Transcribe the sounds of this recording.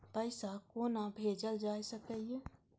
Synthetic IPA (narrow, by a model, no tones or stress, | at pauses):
pəɪsakoːnabʱeːd͡ʒəld͡ʒaːesəkəie